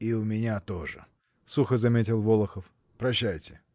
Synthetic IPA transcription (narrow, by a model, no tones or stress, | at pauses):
iʊmʲɪnʲat̪oʐɨ̰ | suxəzɐmʲetʲɪlˠvolˠəxəf | pɾɐɕːæjtʲɪ